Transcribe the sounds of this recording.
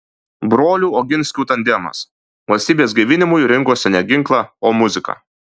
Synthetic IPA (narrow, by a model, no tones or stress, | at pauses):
bɾoːlʲuːoːɡʲɪnʲsʲkʲuːt̪ɐnʲd̪ʲɛmɐ̰s | ʋɐlʲsʲt̪ʲiːbʲeːsɡɐɪʋʲɪnʲɪmʊjɾʲɪŋkoːsʲɛnʲɛɡʲɪŋklˠɑoːmʊzʲɪkɐ̰